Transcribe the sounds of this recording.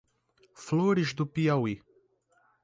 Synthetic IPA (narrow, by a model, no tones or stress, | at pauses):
floɾɪzd̪ʊpiawi